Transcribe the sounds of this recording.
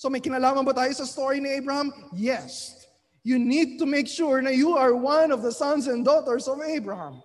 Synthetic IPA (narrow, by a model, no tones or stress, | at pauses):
somɐjkɪnɐlaːmɐnbɐt̪aːjosɐst̪oɹiniejbɹɐhãmjɛs | junid̪̚t̪ʊmejkʃuɹnɐjuɐɹwɐ̃nɔvðɐsɐ̃nsɛ̃nd̪ɔt̪ɛɹsɔvejbɹɐhã̰m